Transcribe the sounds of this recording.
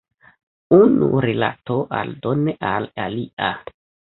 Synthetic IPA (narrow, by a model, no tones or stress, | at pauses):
unṵɾila̰to̞ʔaldo̞neʔalalia